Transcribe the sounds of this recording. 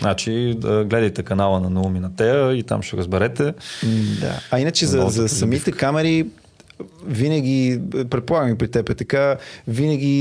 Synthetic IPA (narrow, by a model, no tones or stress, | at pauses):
znat͡ʃiɡlɛd̪əjt̪ɛkɐnalˠənɐnuminɐt̪ɛəit̪a̰mʃt̪ɛɡoɾəzbɛɾɛt̪ɛd̪a̰ɐinət͡ʃɛzzɐzɐssɐmit̪ɛkamɛɾi | vinəɡ̟ʲipɾɛt̪̚polˠaɡəmipɾit̪ɛpɛt̪ɐkavinəɡʲi